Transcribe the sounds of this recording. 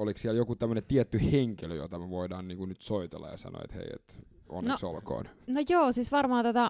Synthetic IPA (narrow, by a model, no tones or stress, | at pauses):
oliksiæljokut̪æmːønet̪iɛt̪ːyheŋkeløjo̰t̪ɑmeʋoidɑːnniːŋkunyt̪soit̪ḛlːɑ̰jɑ̰sɑ̰no̰ḛt̪hḛiḛt̪ | o̰nnːeosolko̰ːnnojoːsiːsʋɑrmɑɑt̪ot̪ɑ